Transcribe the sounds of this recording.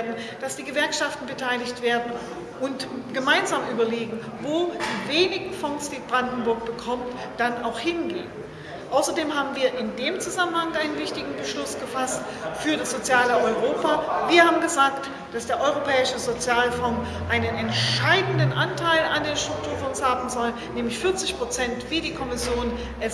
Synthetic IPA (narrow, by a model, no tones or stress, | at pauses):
ɐdn̩ | d̥asd̥iːɡəvɛɐkʃaftn̩bətʰaɪlɪçtv̥eːɐdn̩ | ʔʊntɡ̥əmaɪnzaːmʔyːbɐleːɡŋ̩voːd̥iːveːnɪɡŋ̩fɔŋsd̥iːb̥ʁandn̩bʊɐk̚b̥əkʰɔmt | d̥anaʊxhɪnɡḛːən | ʔaʊsɐdeːmhaːbm̩viːɐʔɪndeːmt͡suzamənhaŋʔaɪnənvɪçtɪɡŋ̩bəʃlʊsɡ̥əfast | fyːɐɾasz̥ot͡sjaːləʔɔʏʁ̞oːpaviːɐhaːbm̩ɡəzaːkt | d̥asd̥eːɐʔɔʏʁ̞opʰɛːɪʃəzot͡sjaːlfɔŋ | ʔaɪnənɛntʃʃaɪdn̩dənʔantʰaɪlandeːɐʃtʁ̥ʊk̚tʰuːɐfɔŋshaːbm̩zɔlənnːɛːmlɪçfɪɐt͡sɪçpʁ̥ot͡sɛntv̥iːdiːkʰɔmɪsjoːn | ʔɛs